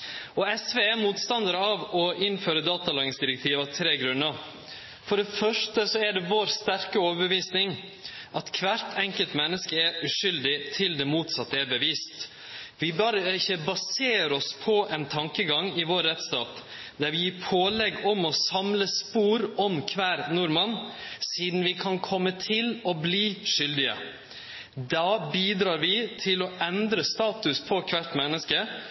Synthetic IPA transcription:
ɔɛsʋeːɛmuːt̪st̪ɑnd̪əɾəɑʋɔʔɪnføːɾəd̪ɑːt̪ɑlɑːɡɪŋsd̪ɪɾɛkt̪ʰiːʋɑʋt̪ʰɾeːɡɾʉnːəɾ | fɔɖɛfœʂʈəsɔæɖɛʋoːɾst̪æɾkəoːʋəɾbəʋiːsnɪŋ | ʔɑt̪kʰʋæɾt̪ʰɛŋkəlt̪mɛnːəskəɛɾʉʂʏld̪ɪt̪ʰɪld̪ɛmuːt̪sɑt̪ːəæbəʋiːst̪ | ʋɪbɑːɾəɪçːəbɑseːɾɔspʰɔʔɛnt̪ʰɑŋkəɡɑŋɪʋoːɾːɛt̪st̪ɑːt̪ | d̪æɾʋɪjːpʰoːlɛɡɔmɔsɑmləspuːɾɔmkʰʋæːɾnʊɾmɑnsiːd̪n̩ʋɪkʰɑnkʰɔmːət̪ʰɪlɔbliːʂʏld̪ɪə̰ | d̪ɑːbiːd̪ɾɑːɾʋɪt̪ʰɪlɔɛnd̪ɾəst̪ɑːt̪ʉspʰɔkʰʋæʈ̪mɛnːəskə

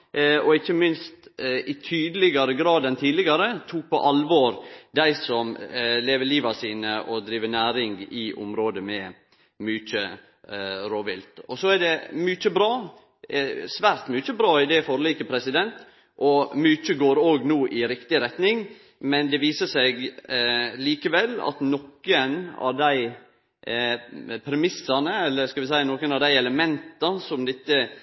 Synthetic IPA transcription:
ɔɪçːəmɪnst̪ɪt̪ʰyːd̪əlɪɡɑɾəɡɾɑːd̪ɛnt̪ʰiːd̪lɪɡɑɾət̪ʰuːk̚pʰɔ̰ʔɑlʋɔɾd̪æɪsɔmleːʋəliːʋɑsiːnəʔɔd̪ɾiːʋənæːɾɪŋɡɪʔʊ̰mɾoːd̪əmɛ | myːt͡ʃə | ɾoːʋɪlt̪ɔsɔæɖɛmyːt͡ʃəbɾɑː | sʋæːɾt̪myt͡ʃəbɾɑːɪd̪ɛfɔɾliːkəpʰɾɛsɪd̪ɛnt̪ | ʔɔmyːt͡ʃəɡoːɾoːɡnuːʔɪɾɪkt̪ɪɾɛt̪nɪŋ | mɛnd̪ɛʋiːsəsɛɡ | liːkəʋɛlːɑ̰t̪nɔkːənɑ̰ʋd̪æɪ | pʰɾɛmɪsːɑnəɛlːəskɑʋɪs̬æɪənɔkənɑd̪æɪɛləmɛnt̪ɑsɔmd̪ɪt̪ːə

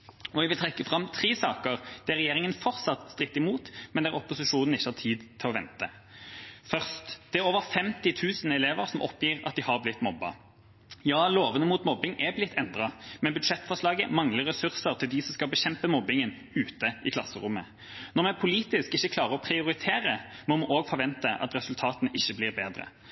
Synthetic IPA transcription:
ɔʋɪlt̪ʰʁɛkːəfʁɑmt̪ʰʁeːsɑːkəʁd̪̥ɛæʁɛjeːʁɪŋənfɔʁt̪sɑt̪st̪ʁɪk̚t̪ːɪmuːt̪mɛnd̪ɛæʁɔpːʊsɪʂuːnn̩ɪçːəhɑt̪ʰiːd̪t̪ʰɪlɔʋɛnt̪ə | fœʁst̪d̪̥ɛæɾoːʋəfɛmt̪ɪt̪ʰʉːsnɛleːʋəɾsɔmʔɔpjiːʁɑ̰t̪̚d̪ɪhɑʁblɪt̪ːmɔbːɑ̰ | jɑːloːʋənəmuːt̪mɔbːɪŋɛblɪt̪ʰːɛnd̪ʁɑmɛnbʉd̪ʂɛt̪ːfɔʁʂlɑːɡə̰mɑŋləʁɛsʉʁsəʁt̪ʰɪld̪ɪsɔmskɑlbɛɕɛmpəmɔbɪŋən | ʉːt̪əʔɪkʰlɑsːəɾʊmːə | nɔʁmɛæpʰʊliːt̪ɪskɪçːəkʰlɑːʁəɔpʰɾɪʊɾɪt̪ʰeːʁəmɔmʊʔoːɡfɔɾʋɛnt̪əʔɑ̰t̪ʁɛsʉlt̪ʰɑːt̪ənəʔɪçːəbliːʁbeːd̪ʁə̰

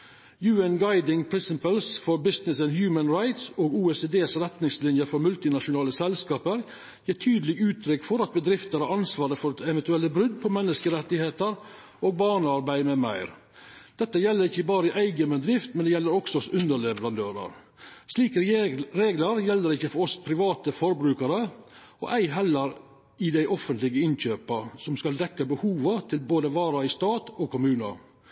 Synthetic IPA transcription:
jʉːənɡɑɪd̪ɪŋpʰɾɪnsɪpəlsfɔɾbɪsnɪsɛnhjʉːmənɹɑɪt̪soːɡuːɛseːd̪eːsɾɛt̪nɪŋslɪnjəfɔɾmʉlt̪ɪnɑʂʊnɑːləsɛlskɑːpəɾ | jiːʈʰyːd̪əlɪɡʉːt̪ʰɾʏkfɔɾɑt̪̚bəd̪ɾɪft̪əɾhɑɾɑnsʋɑːɾəfɔɾɛʋɛnt̪ʉɛlːəbɾʏd̪pʰɔmɛnːəskəɾɛt̪ːɪheːt̪əɾ | ʔoːɡ̚bɑːɳəɑɾbæɪmɛmæ̰ɪɾ | d̪̥ɛt̪ːəjɛlːəɾɪçːəbɑːɾəɪʔæɪɡəmɛd̪ɾɪft̪mɛnd̪ɛjɛlːəɾɔksɔsʉnd̪əɭɛʋəɾɑnd̪øːɾə̰ɾ | sliːkɾɾeːɡləɾjɛlːəɾɪçːəfɔɾɔspʰɾɪʋɑːt̪əfɔɾbɾʉːkəɾə | ɔ̰ʔæɪɦɛlːəɾ | ɪd̪æɪʔɔfənt̪lɪɡəɪnçøːpəsɔmskɑld̪ɛkːəbəhuːʋət̪ʰɪlboːd̪əʋɑːɾɑɪst̪ɑːt̪oːkʰʊmʉːnə̰

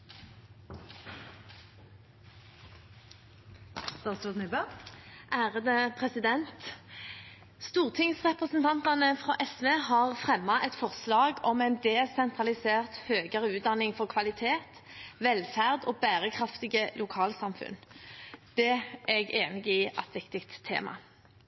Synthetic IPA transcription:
d̪̥ɑst̪uːd̪nɪbøʔæːʁəd̪əpʰʁɛsɪd̪ɛnt̪ | st̪uːʁt̪ʰɪŋsʁɛpʁəsnt̪ʰɑnt̪ɑnəfʁɑ̰ːʔɛsʋeːhɑʁfʁɛmːɑʔɛt̪fɔʁslɑːɡɔmɛɪnd̪ɛsɛnt̪ʁɑlɪseːʁt̪høːɡəʁəʉːt̪̚d̪ɑnɪŋfɔʁkʰʋɑlɪt̪ʰeːt̪ | ʋɛlfæʁd̪oːbæːʁəkʰʁɑft̪ɪɡəlʊkʰɑːlsɑmfʉ̰n | d̪̥ɛɛɡeːnɪɡiːʔɑ̰t̪ʋɪkt̪ɪkt̪ʰːḛːmɑ̰

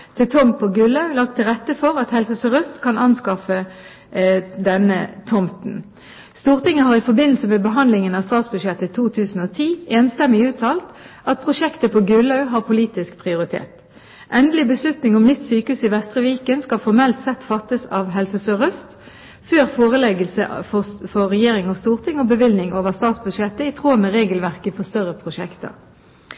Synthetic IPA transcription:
t̪ʰɪt̪ʰɔmpʰoɡʉlɑʉlɑk̚t̪ʰːɪlʁɛt̪ːəfɔʁɑt̪hɛlsəsœʁœst̪kʰɑnʔɑnskɑfə | d̪ɛnːə̰t̪ʰɔmt̪n̩ | st̪uːʁt̪ɪŋːəhɑʁɪfɔʁbɪnl̩səmɛbəɦɑnd̪lɪŋənɑʋst̪ɑːt̪sbʉʃjɛt̪ːət̪ʰuːt̪ʰʉːsn̩oːt̪ʰiːeːnst̪ɛmɪʉːt̪ʰɑːlt̪ʔɑt̪̚pʰʁʊʃɛkt̪əpʰoːɡʉlɑʉɦɑːʁpʰʊliːt̪ɪsk̚pʰʁɪʊʁɪt̪ʰḛːt̪ | ʔɛnd̪əlɪbəslʉt̪nɪŋɔmnʏt̪ːsyːkəʉːsɪʋɛst̪ʁəʋiːkənskɑfɔʁmɛlt̪sɛt̪fɑt̪ːəsɑːʋɦɛlsəsøːʁœst̪ | føːʁfoːʁəlɛɡəlsəʔfɔfɔːɛjeːʁɪŋɔst̪uːʁt̪ʰɪŋɔbəʋɪlnɪŋoːʋəʁst̪ɑːt̪sbʉd̪ʃjɛt̪ːəɪt̪ʰʁoːməʁeːɡəlʋæʁkəfɔst̪œʁəpʰʁʊʂɛkt̪ə̰ʁ

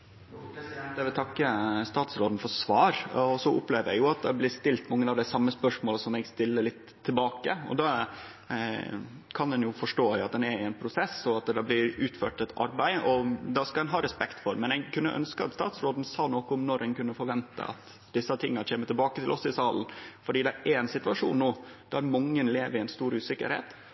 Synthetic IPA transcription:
d̪ɛʋɪlt̪ʰɑkːəst̪ɑːt̪sɾoːd̪n̩fɔɾsʋɑːɾɔsɔʊ̰pleːʋəɾjæ̰ɡjʊɑt̪̚d̪ɑblɪst̪ɪlt̪mɑŋːəɑʋd̪æsɑmːəspœʂmoːləsɔmɛɡst̪ɪlːəɭɪt̪ʰːɪlbɑːkəɔ̰d̪ɑ | kʰɑnd̪ɛnjʊfɔʂʈoːæɪɑ̰t̪̚d̪ɛnæɾɪɛnpʰɾʊsɛsɔɑt̪d̪ɑblɪɾʉːt̪føːʈɛt̪ʰɑ̰ɾbæɪɔd̪ɑskɑɛnɦɑːɾɛspɛkt̪fɔɾmɛnɛɡkʰʉnːə̰ʔœ̰nskəɑt̪st̪ɑ̰ːt̪sɾoːd̪nsɑːnɔkəʊmnɔɾɛnkʉnːəfɔɾʋɛnt̪ə̰ʔɑ̰t̪ | d̪ɪsːət̪ʰɪŋːɑt͡ɕʰeːmət̪ɪlbɑːkət̪ʰɪlʔɔsɪsɑːln̩fɔɖiːd̪ɛʔæɾɛnsɪt̪ʋɑʂṵːnnuːd̪̥æɾmɑŋːənleːʋəɾɪæɪnst̪uːɾʉːsɪkːə̰ɾhḛːt̪

